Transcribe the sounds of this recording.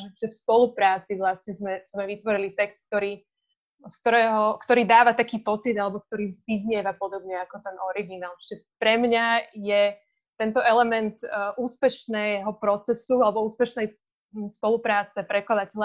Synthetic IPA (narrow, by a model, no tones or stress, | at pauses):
ʒɛʒ̥ɛfspɔlupɾaːt͡siʋlasɲɛzmɛzmɛʋit̪ʋɔɾilit̪ɛkst̪̚k̚t̪ɔɾiː | skt̪ɔɾɛːɦɔkt̪ɔɾiːd̪aːʋat̪akiːpɔt͡sid̪alɛbɔk̚t̪ɔɾiːzʋizɲɪɛʋapɔd̪ɔbɲɛakɔt̪ɛnɔɾiɡinaːlt͡ʃi̥ʒɛpɾɛmɲajɛ | t̪ɛnt̪ɔʔɛlɛmɛnt̪ʔuːspɛʃnɛɦɔpɾɔt͡sɛsualɛbɔuːspɛʃnɛj | spɔlupɾaːt͡sɛpɾɛklad̪acɛʎa